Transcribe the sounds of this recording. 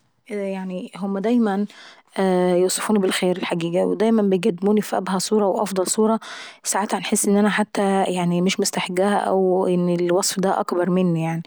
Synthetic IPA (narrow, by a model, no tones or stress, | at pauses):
ʔjaʕniɦomːæd̪æjmæn | ʔæjowsˤɑ̥fuːnbelxeːɾelħaɡiːɡæwḛd̪æjmæmbejɡæd̪ːɪmuːnifiʔæbhæsˤuːɾˤɑwʔɑ̰fd̪ˤɑlsˤuːɾˤɑsaʕat̪hænħesːʔenːʔænæħat̪ːæjaʕnimeʃmʊst̪aħɡæːhæ̰ʔæ̰wʔenːelwɑsˤfd̪æʔɑ̰kbɑɾˤmenːijaʕni